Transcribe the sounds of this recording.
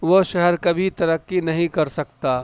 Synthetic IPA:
ʋoʃɛɦɛɾkɐbʱit̪ɐɾəkːinɐɦĩkɐɾsɐk̚t̪aː

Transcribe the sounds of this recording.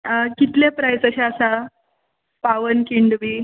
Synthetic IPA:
kit̪lepɾajsəɕaasa | paʋənkiɳɖʋi

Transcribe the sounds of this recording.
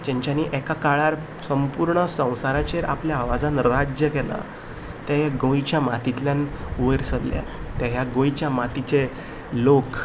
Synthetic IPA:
d͡ʑɛ̃ɲt͡ɕaniʔɛkakaɭaɾ | səmpuɾɳəsə̃w̃saɾat͡ɕeɾʔa̰pljaːʋad͡zãnɾad͡ʑjəkɛla̰ | t̪aɦaɡõjt͡ɕjamat̪it̪ljanuʋəɾsəlːja̰t̪aɦjaɡõjt͡ɕjamat̪it͡ɕe | lok

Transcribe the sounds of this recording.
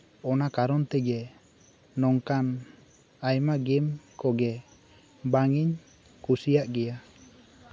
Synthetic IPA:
ɔnakaɾɔnt̪ɛɡɛ | nɔŋkan | ajmaɡɛmkɔɡɛ | baŋiɲ | kusijaʔɡɛja

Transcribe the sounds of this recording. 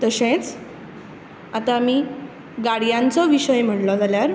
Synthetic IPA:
t̪əɕẽt͡s | at̪amiː | ɡaɽijãnt͡sɔʋiɕəjm̤əʈlɔd͡zaljaɾ

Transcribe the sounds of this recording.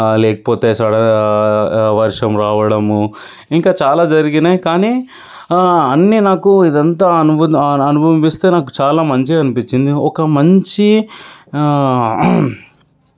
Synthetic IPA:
leːʈ̚poːt̪eːsaːɽɐ | ʋɐɾʂɐmɾaːʋɐɽɐmu | iŋkaːt͡ʃaːlaːd͡ʒɐɾiɡinaːjikaːniː | ɐnːinaːkuid̪ɐnt̪aːɐnuɐnubʱɐmist̪e̞ːnaːku̥t͡ʃaːlaːmɐɲt͡ʃiɐnipit͡ʃːind̪iɔkɐmɐɲt͡ʃi

